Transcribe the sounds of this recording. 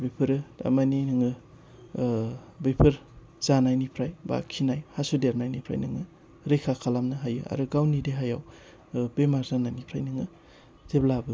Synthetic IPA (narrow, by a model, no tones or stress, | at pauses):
bijpʰɯɾɯda̰majninɯŋɯ | bepʰɯɾ | z̥anajnipʰɾajba̰kʰinajhasudeɾmajnipʰɾa̰jnɯŋɯ | ɾekʰakʰalamnɯɦajɯa̰ɾɯɡawnideɦajaw | bemaɾzanajnipʰɾajnɯŋɯ | teblabɯ